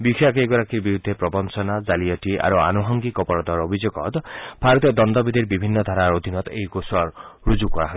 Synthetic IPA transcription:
bikʰjakejɡɔɾakiɾbiɾud̪ʱːepɾɔbɔnsɔnad͡ʒaliɔʈiʔa̰ɾua̰nuɦɔŋɡikɔpɔɾɔd̪ɔɾobʱid͡ʒoɡɔt̪bʰʱaɾɔt̪ɔd̪ɔnd̪ɔbid̪ʱiɾbibʱinːɔd̪ʱaɾaɾod̪ʱinɔt̪ejkosaɾɾud͡ʒukɔaɦɔ

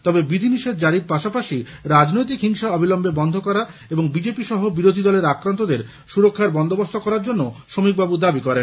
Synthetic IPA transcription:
t̪ɔbebid̪ʱiniʃed̪d͡ʑaɾiɾpaʃapaʃiɾad͡ʑnojt̪ikɦiŋʃaɔbʱilɔmbebɔnd̪ʱokɔɾaeboŋbid͡ʑepiʃɔɦobiɾod̪ʱid̪ɔleɾakɾant̪od̪eɾ | ʃuɾokʰːaɾbɔnd̪obost̪ʰokɔɾaɾd͡ʑonːoʃomik̚babud̪abikɔɾen

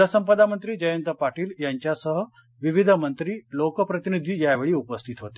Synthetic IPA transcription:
əsəmpəd̪amənt̪ɾiːd͡ʑəjənt̪əpaʈiːljaɲt͡ɕjasəɦə | ʋiʋid̪ʱəmənt̪ɾiːlokəpɾət̪inid̪ʱiːjaʋeɭiːupəst̪ʰit̪ɦot̪e̥

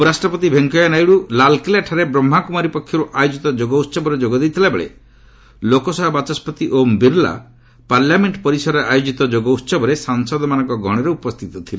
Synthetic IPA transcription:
upɔɾasʈɾɔpɔt̪ibʱeŋkɔjanajɽulalkilaʈʰaɾebɾɔm̤ːakumaɾipɔkʰjɔɾuʔajod͡ʒit̪ɔd͡ʒoɡɔut̪ːsɔbɔɾed͡ʒoɡɔd̪ejt̪ʰilabeɭḛ | lokɔsɔɦɔbat͡ʃɔspɔt̪iʔombiɾla̰ | paɾljameɳʈpɔɾisɔɾeʔajod͡ʒit̪ɔd͡ʒoɡɔut̪sɔbɔɾesaŋsɔd̪ʱɔmanɔ̃ŋkɔɡʱɔɽ̃ɔɾeupɔst̪ʰit̪ɔt̪ʰile

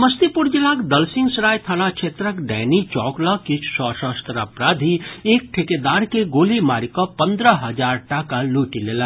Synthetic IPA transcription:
məst̪ipuɾd͡ʒilakd̪əlsĩŋɡsɾajt̪ʰaɽ̃at͡ʃʰet̪ɾəkɖɛnit͡ʃɔklɔkit͡ʃʰsɔsəst̪ɾapɾad̪ʱiek̚ʈʰeked̪aɾkeɡolimaɾikɔpənd̪ɾəɦəd͡ʒaɾʈakaluʈilelə

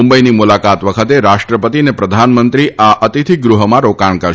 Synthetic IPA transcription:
mbəinimulakat̪ʋəkʰət̪eɾaʃʈɾəpət̪inepɾəd̪ʱanmənt̪ɾiʔaʔət̪it̪ʰiɡɾuɦəmãɾokaɳ̃kəɾ

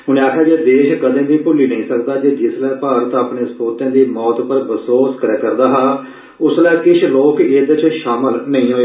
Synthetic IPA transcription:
ɦʊnẽaːkʰjaːd͡ʒeːd̪eːʃkəd̪ẽːd̪iːpʊliːnəĩːsəkd̪aːd͡ʒeːd͡ʒɪslɛːpaːɾət̪aːpneːspoːt̪ãːd̪iːmɔːt̪pəɾbəsoːskəɾɛːkəɾd̪aːɦaː | ʊslɛːkɪʃloːked̪t͡ʃʃaːməlnəĩːɦoːe

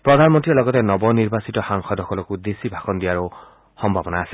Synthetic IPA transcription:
pɹɔdʱanmɔntɹiɛlɔɡɔtɛnɔbɔniɹbasitɔxaŋxɔdʱɔkʰɔlɔkud̪esibʱakɔndijaɹo | xɔmbʱabɔnaːsɛ

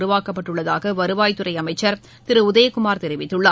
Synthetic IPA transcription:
ɾɯʋaːkɐpːɐʈːɯɭːɐðaːɣɐʋɐɾɯʋaːjt̪ɯrɐɪɐmɐɪt͡ʃːɐɾ | t̪ɪɾɯʊðɐjɐkʊmaːɾt̪ɛɾɪʋɪt̪ːɯɭːɐː

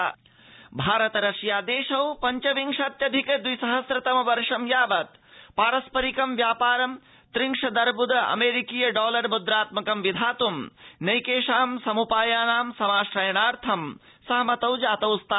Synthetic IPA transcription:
bʱaːɾɐt̪ɐɾɐʃjaːd̪eːʃɐwpɐɲt͡ʃɐʋiŋkʃɐt̪jɐd̪ʱikɐd̪ujsɐɦɐsɾɐt̪ɐmɐʋɐɾʂɐmjaːʋɐt̪ | paːɾɐspɐɾikɐmʋjaːpaːɾɐm | t̪ɾiŋʂɐd̪ɐɾbud̪ɐɐ̰meːɾikijɐɖɔːlɐɾbud̪ɾaːt̪mɐkɐmʋid̪ʱaːt̪umnɐjkeːʃaːmsɐmupaːjaːnaːmsɐmaːʃɾɐjɐnaːɾt̪ʰɐm | sɐɦmɐt̪ɐwd͡ʒaːt̪ɐwst̪a

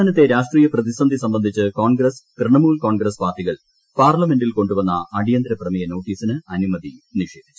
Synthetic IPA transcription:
ɐnɐt̪ːe̞ɾaːʂʈriːjɐprɐðisɐnd̪ʱisɐmbɐnd̪ʱit͡ɕːɨkoːnɡɾɐskrɨɳɐmuːlkoːnɡɾɐspaːrʈːiɣɐɭ | paːrlɐme̞nɖilko̞ɳɖuʋɐnːɐ̰ːɽijɐnd̪ɾɐprɐmijɐno̞ːʈːiːsinɨɐnimɐðiniʂe̞ːd̪ʱi̥t͡ɕːu̥

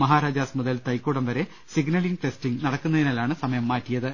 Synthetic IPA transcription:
mɐɦaːɾaːd͡ʑaːsmuðɐlt̪ɐjkːoːɽɐmʋɐɾe̞ | siɡnɐɭiŋʈestiŋnɐɽɐkːunːɐðinaːlaːɳɨsɐmɐjɐmːaːtːijɐðɨ

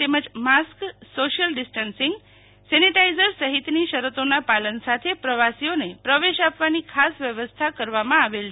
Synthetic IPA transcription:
t̪eməd͡ʒmasksoʃəlɖɪsʈənsɪŋɡ | sɛniʈaizəɾsəɦit̪niʃəɾət̪onapalənsat̪ʰepɾəʋasionepɾəʋeʃapʋanikʰasʋjəʋəst̪ʰakəɾʋamãaʋel

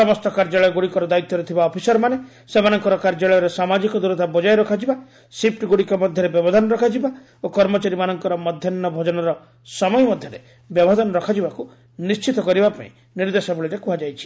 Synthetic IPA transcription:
sɔmɔst̪ɔkaɾd͡ʒaɭɔjɔɡuɽikɔɾɔd̪ait̪ːɔɾet̪ʰibaɔpʰisɔɾmane | semanɔŋkɔɾɔkaɾd͡ʒaɭɔjɔɾesamad͡ʒikɔd̪uɾɔt̪abɔd͡ʒajɾɔkʰad͡ʒiba | sip̚ʰʈɡuɽikɔmɔd̪ʱjɔɾebjɔbɔd̪ʱanɔɾɔkʰad͡ʒiba | okɔɾmɔt͡ʃaɾimanɔŋkɔɾɔmɔd̪ʱjɔnːɔbʱɔd͡ʒɔnɔɾɔ | sɔmɔjɔmɔd̪ʱjɔɾe | bjɔbʱɔd̪ʱɔnɔɾɔkʰad͡ʒibaku | nist͡ʃit̪ɔkɔɾibapa̰ḭ̃ | niɾd̪esɔbuɭiɾekuɦad͡ʒajt͡ʃʰi̥

